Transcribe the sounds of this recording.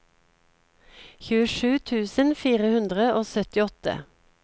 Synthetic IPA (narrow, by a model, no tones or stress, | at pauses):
çʉːəʃʉːt̪ʰʉːsənfiːʁəhʉnd̪ʁəʔoːsœt̪ɪɔt̪ə̰